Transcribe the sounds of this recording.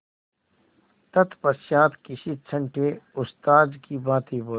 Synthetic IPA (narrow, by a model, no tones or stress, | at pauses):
t̪ɐt̪pɐsjaːt̪kiʃit̪t͡ʃʰə̃ɳʈeʊst̪aːd̪kibãːt̪iboː